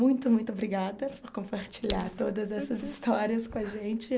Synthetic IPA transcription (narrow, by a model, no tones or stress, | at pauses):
mũj̃t̪ʊmũj̃t̪ʊobɾiɡad̪ɐpʊɾkõpaɾt͡ʃiʎaɾt̪od̪ɐzɛsɐzist̪ɔɾiɐskõɐʒẽt͡ʃɪ